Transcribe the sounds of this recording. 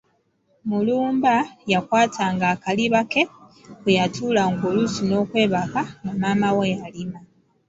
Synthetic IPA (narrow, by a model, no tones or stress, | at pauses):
muluːmbajakwaːtʰaːŋɡaːkaliβake̞wejatʰulaŋɡo̞ːlusino̞ːkwe̞ːβakamumaːmawejalima